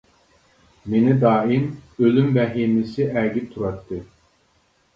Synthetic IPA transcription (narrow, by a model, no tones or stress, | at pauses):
menɪd̪ɑːimølymvɛɦimisɪʔæɡʲit̪ʰuɾɑt̪ʰːɨ